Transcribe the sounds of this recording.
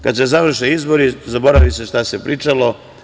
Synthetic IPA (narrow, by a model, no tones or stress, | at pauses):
kad̪se̞zaʋr̩ʃeizbo̞ɾizabo̞ɾaʋise̞ʃt̪asepɾʔiːt͡ʃalo̞